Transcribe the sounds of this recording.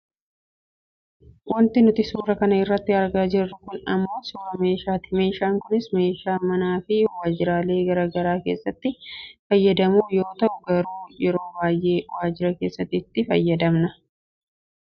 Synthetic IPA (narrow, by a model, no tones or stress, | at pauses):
wʔɐnt̪ɪnʊt̪ɪsuːɾɐkɐnɐɪrːɐt̪ːɪɐɾɡaːd͡ʒɪrːʊkʊnɐmːo̞ːsuːɾɐme̞ːʃaːt̪ɪ̥me̞ːʃaːŋkʊnɪsme̞ːʃaːmɐnaːfɪwaːd͡ʒɪɾaːle̞ːɡɐɾɐɡɐɾaːke̞ːsːɐt̪ːɪfɐjːɐd̪ɐmuːjo̞ːt̪ɐʔʊɡɐɾuːjɛɾo̞ːbaːjʔeːwaːd͡ʒɪɾɐke̞ːsːɐt̪ːɪt̪ːɪfɐ̰jːɐd̪ɐmnɐ